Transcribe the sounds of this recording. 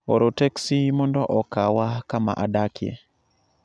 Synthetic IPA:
o̰ɾoteksimɔndɔʔɔkawakama̰ʔadakjḛ

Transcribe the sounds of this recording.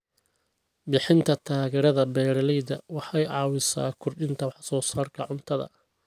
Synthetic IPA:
bɪħɪnt̪ʰɐt̪ʰaːɣɛːɾɐðɐbɛːɾɐlɛjd̪ɐwɑħɑjɑːwɪsa̰ːkʰʊrɖɪnt̪ʰɐwħsɔːsaːrkʰɐʕʊnt̪ʰɐðɐ̰

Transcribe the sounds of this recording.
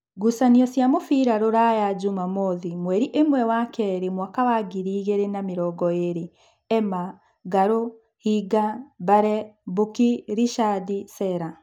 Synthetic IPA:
ɡusaniɔsjamofiɾaɾoɾajaɟumamoðimwɛɾiʔemwɛwakɛɾemwakawaɡiɾiːɣeɾenamiɾɔɡɔeɾe | ɛma | ɡaɾo | hiɡabaɾɛbukiɾiʃadisɛɾa

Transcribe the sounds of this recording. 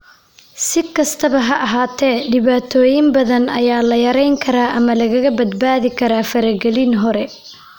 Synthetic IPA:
sɪkʰɐst̪ʰɐβɐɦɐʔɐɦaːt̪ʰɛːɖɪβaːt̪ʰɔːjɪmbɐðɐnɐjaːlɐjɐɾɛjŋkʰɐɾaːʔɐmɐlɐɣɐɣɐbɐd̪baːðɪkʰɐɾaːfɐɾɐɡɛlinɦɔɾɛ

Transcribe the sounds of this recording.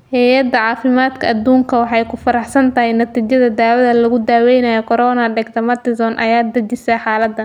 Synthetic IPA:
hɛjɐd̪ɐʕɑːfɪmaːd̪kʰɐʔːd̪uːŋkʰɐwɑħɑjkʰʊfɐɾɑħsɐnt̪ɐɦɪjnɐt̪iːt͡ʃɐðɐd̪aːwɐðɐlɐɣʊd̪aːwɛjnɐjɔkʰɔɾɔːnɐɖɛɡt̪ʰɐmɐt̪ɪzɔnʔɐ̰jaːd̪ɐt͡ʃɪsɐħɑːlɐd̪ːɐn

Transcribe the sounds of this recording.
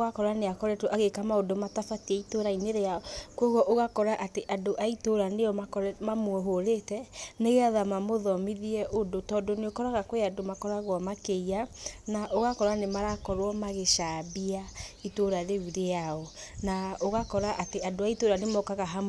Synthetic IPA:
oɣakɔɾaneakɔɾɛtoʔaɣekamaodomatafatiɛitoɾaineɾeaɔkɔɣɔʔoɣakɔɾaʔateʔadoʔaitoɾaneɔmakɔɾɛmamwɛɦoɾetɛneɣeaðamamoðɔmiðiɛʔodotɔdɔneokɔɾaɣakweadomakɔɾaɣwɔmakeianaʔoɣakɔɾanemaɾakɔɾwɔmaɣeʃabiaitoɾaðeuɾeaɔnaoɣakɔɾaʔateadoaitoɾanemɔkaɣaɦa

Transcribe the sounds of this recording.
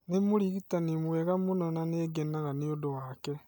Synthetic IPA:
nemuɾiɣitanimwɛɣamunɔnaneɡɛnaɣaneodowaːkɛ

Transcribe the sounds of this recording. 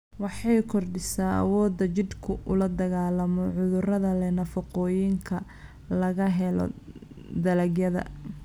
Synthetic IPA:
wɑħɑjkʰɔrɖɪsaːɐ̰wɔːd̪ːɐt͡ʃɪd̪kʰʊʔʊlɐd̪ɐɣaːlɐmɔʕʊðʊrɐðɐlɛnɐfɐqɔːjɪŋkʰɐ | lɐɣɐɦɛlɔ̰ | d̪ɐlɐɡjɐðɐ̰

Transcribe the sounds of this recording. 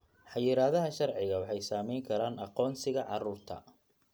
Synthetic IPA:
ħɑjɪɾaːðɐɦɐʃɐrʕɪɣɐwɑħɑjsaːmɛjŋkʰɐɾaːnɑqɔːnsɪɣɐʕɑruːrt̪ʰɐ̰

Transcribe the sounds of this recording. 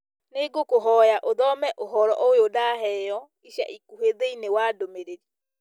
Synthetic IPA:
neɡokoɦɔjaʔoðɔmɛʔoɦɔɾɔʔoeodaːɦɛjɔ | iɕja̰ʔikuɦeðeinewaːdomeɾei

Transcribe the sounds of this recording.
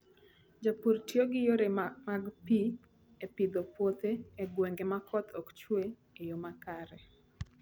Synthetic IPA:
d͡ʒapuɾtjoɡɪjoɾemaɡpi | epɪd̪opwot̪eːɡwɛŋɡemakʰɔt̪ʰɔkt͡ʃwe | ejomakaɾɛ

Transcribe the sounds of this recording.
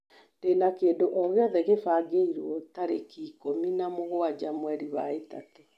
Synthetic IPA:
d̥enakeːndoʔɔɣeɔðɛɣefaɡeiɾwɔtaɾekikominamoɣoad͡ʑamwɛɾiβaetato

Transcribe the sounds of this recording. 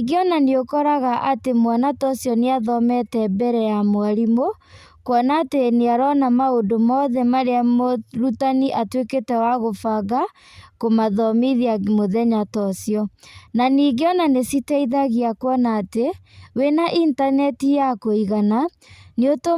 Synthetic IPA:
iɡeɔnaneokɔɾaɣaʔatemwanatɔsjɔneaðɔmɛtɛbɛɾɛjamoaɾimo | kwɔnaːteneaɾɔnamaondomɔðɛmaɾeamoɾutaniʔatweketɛwaɣofaɣa | komaðɔmiðiamoðɛɲatɔsjɔnaniɣeɔnanesitɛiðaɣiakwɔnaːte | wenaʔintanɛtijakoiɣana | neoto

